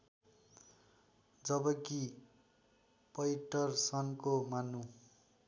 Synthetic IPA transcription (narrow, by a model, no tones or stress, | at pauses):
d͡zʌbʌki | pʌjʈʌrsʌnkomanu